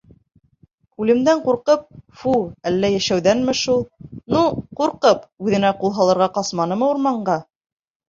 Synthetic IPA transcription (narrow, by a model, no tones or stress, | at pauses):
ʉlɘ̆md̪æɴquɾqɤp̚fuælːæjæʃæwðænmɘ̆ʃulˠnuquɾqɤpʉðɘ̆næqulˠɦɑlˠɤ̆ɾʁɑqɑsmɑnɤ̆mɤuɾmɑɴɢɑ